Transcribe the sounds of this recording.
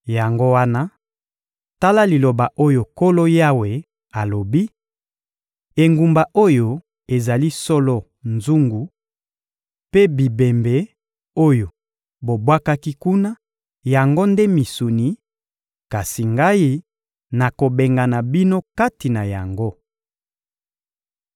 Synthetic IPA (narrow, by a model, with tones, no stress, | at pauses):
ja˨ŋɡo˦wa˦na˦ | ta˦la˦li˨lo˨ba˨ʔo˦jo˨ko˦lo˦ja˦we˨ | a˨lo˨bi˦ | e˨ŋɡu˨mba˨ʔo˦jo˨ | e˨za˨li˦so˦lo˦ | nzu˦ŋɡu˨ | pe˦bi˨be˨mbe˨˦ | o˦jo˨ | bo˨bwa˦ka˦ki˦ku˦na˦ | ja˨ŋɡo˦nde˦mi˨su˨ni˨˦ | ka˨si˨ŋɡa˦ji˦ | na˨ko˨be˨ŋɡa˨na˨bi˦no˦ka˦ti˨na˨ja̰˨ŋɡo˦